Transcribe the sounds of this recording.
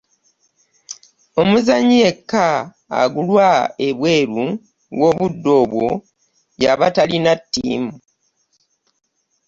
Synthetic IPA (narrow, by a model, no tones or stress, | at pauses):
o̞muzaɲiekːa̰ː | ɡulwaeβwe̞ːɾu | wo̞βudːo̞ːβwo̞ | jaβatalinatːḭːmu